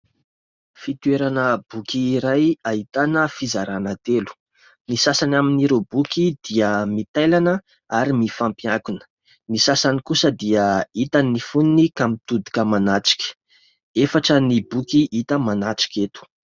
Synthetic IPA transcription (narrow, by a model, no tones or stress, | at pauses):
fit̪uweɾanəb̥ukiːɾajaɦit̪anəfizaɾanət̪elu̥ | nisasanaminiɾobukid̪̥iəmit̪ajlanə | aɾimifampiakunə̥ | nisasanikusəd̪iəit̪anːifuninikamit̪ud̪i̥kəmanat͡si̥kʲə̥ | efaʈ͡ʂənibukiʔit̪əmanat͡si̥kʲet̪u̥